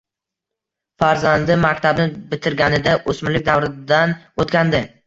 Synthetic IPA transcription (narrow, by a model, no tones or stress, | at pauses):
faɾzand̪ɪmakʲt̪ʰabnɪbɪt̪ʰɪɾɡʲanɪd̪aʔosmɪlɪkʲd̪avɾɪd̪an | ot̪kʲand̪ɪ